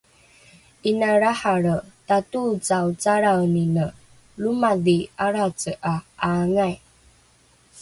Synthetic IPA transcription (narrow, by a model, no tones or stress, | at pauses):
inaɾaħaɾətatut͡sawt͡saɾawninə | lumaðiaɾat͡səʔaaŋaj